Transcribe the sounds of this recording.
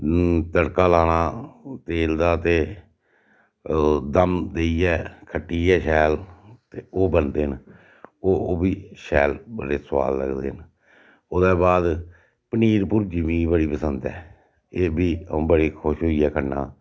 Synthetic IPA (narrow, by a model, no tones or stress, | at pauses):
t̪əɽkaːlaːnaːt̪eːld̪aːt̪eː | d̪əmd̪eːiːɛːkʰəʈːiːɛːʃɛːlt̪eːoːbənd̪eːn | oːbiːʃɛːlbəɾeːswa̰ːlːə̰ɡd̪ḛːn | od̪ɛːbaːd̪ | pəniːɾpʊɾd͡ʒɪmĩːbəɽiːpəsənd̪ɛ̰ː | eːbiːõːbəɽiːkʰʊʃɦoːiːɛːkʰəna̰ː